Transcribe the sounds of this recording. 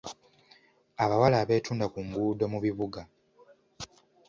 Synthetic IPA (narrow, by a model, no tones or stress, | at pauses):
aβawalaːβe̞ːtuːndakuŋɡuːdo̞muβiβuɡa